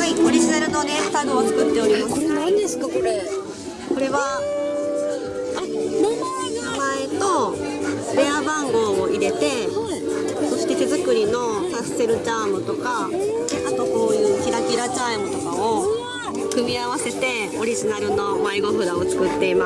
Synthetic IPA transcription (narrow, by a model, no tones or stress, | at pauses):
aioɾʲiʑinaɾɯ̟no̞d̪e̥t̪aɡɯonokɯ̟t̪ːe̞o̞ɾʲimasnãnd̪esɨ̥kakoɾe | ko̞ɾe̞βa | amo | nomaet̪o̞ | ɾe̞abãŋɡo̞ːoʔiɾe̞t̪e̞ha | so̞ɕi̥t̪e̞t̪e̞zɨkɯ̟ɾʲino̞kasːe̞ɾɯ̟t͡ɕaːmɯ̟t̪o̞kaat̪o̞ko̞ːjɯ̟ːkʲiɾakʲiɾaʑaimɯ̟t̪o̞kao̞ | kɯ̟mʲiaβ̞ase̞t̪e̞ | o̞ɾʲiʑinaɾɯ̟no̞maiɡo̞ɸɯ̟ɾao̞t͡sɨ̥kɯ̟t̪ːe̞ima